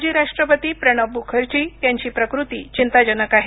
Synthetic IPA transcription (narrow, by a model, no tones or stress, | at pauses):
d͡ʑiːɾaʂʈɾəpət̪iːpɾəɽ̃əbʱukʰəɾt͡ɕiːt̪jaɲt͡ɕiːpɾəkɾut̪ḭːt͡ɕint̪ad͡ʑənəkaɦe